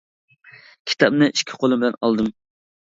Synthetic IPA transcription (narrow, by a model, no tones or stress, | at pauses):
kʲʰi̥t̪ʰɑbnɨʔiʃkʲʰɪ̥qʰolˠɨmbɪlɛnɑ̰lˠd̪ɨm